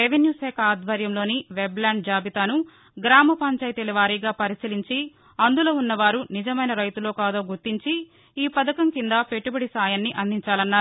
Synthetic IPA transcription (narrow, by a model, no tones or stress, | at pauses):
eʋenjuːsɛːkɐːd̪ʋɐɾjɐmlo̞ːniʋeblaːɳɖ̚d͡ʒaːbit̪aːnu | ɡɾaːmɐpɐɲt͡ʃɐjt̪eliʋaːɾiːɡaːpɐɾisiliɲt͡ʃi | ɐnd̪ulo̞ːunːɐʋaːɾunid͡ʒɐmɐjnɐɾɐjt̪ulo̞ːkaːd̪o̞ːɡuɾt̪iɲt͡ʃi | iːpɐd̪ɐkɐmkind̪ɐpeʈubɐɽisaːjɐnːiʔɐnd̪ʱiɲt͡ʃaːlɐnːaːɾu